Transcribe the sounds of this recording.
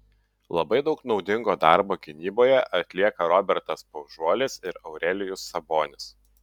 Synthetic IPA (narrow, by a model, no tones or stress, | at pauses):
lˠɐbɐɪd̪ɒʊknɒʊd̪ʲɪŋɡoːd̪ɑˑɾboːɡʲɪnʲiːboːjɛʔɐt̪ʲlʲiɛkɐɾɔbʲɛɾt̪ɐspɐʊʒuɔlʲɪsɪɾɐʊɾʲɛlʲɪjʊsːɐboːnʲɪs